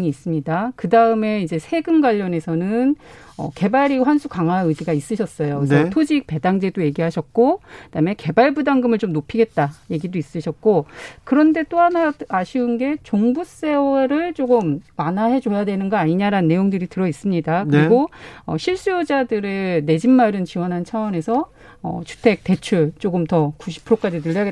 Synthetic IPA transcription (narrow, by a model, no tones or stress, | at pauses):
iːs͈ɯmɲidakɯdaɯme̞id͡ʑe̞sʰe̞ɡɯnɡwaʎːʌne̞sʰʌnɯn | ʌ̰ke̞baɾiɸwansʰukaŋaɯd͡ʑiɡais͈ɯɕʰʌs͈ʌjoisʰetʰod͡ʑik̚pe̞daŋd͡ʑe̞doje̞ɡiɦaɕʰʌk̚k͈od̥ame̞ke̞baɭbudaŋɡɯmɯɭt͡ɕomnopʰiɡe̞t̚t͈aje̞ɡidois͈ɯɕʰʌt̚k͈okɯɾʌnde̞t͈oɦanaaɕʰiunɡe̞t͡ɕoŋbus͈e̞ʌɾɯɭt͡ɕ͈oɡɯmwanaɦe̞d͡ʑojadwe̞nɯnɡʌaɲiɲaɾanɯnːe̞joŋdɯɾitɯɾʌis͈ɯmɲidakɯɾiɡoʌ̰ɕʰiɭs͈ujod͡ʑadɯɾɯne̞d͡ʑimmaɾɯnt͡ɕiwʌnɦant͡ɕʰawʌne̞sʰʌ | ʌ̰t͡ɕʰu̥tʰe̞k̚te̞t͡ɕʰuɭt͡ɕ͈oɡɯmtʌkuɕʰi̥pʰɯɾok͈ad͡ʑinɯʎːʌɡe